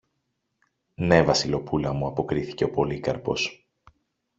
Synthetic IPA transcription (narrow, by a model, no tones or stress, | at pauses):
ne̞vɐsilo̞pulɐmuɐpo̞kɾiθi̥ce̞o̞po̞likɐɾpo̞s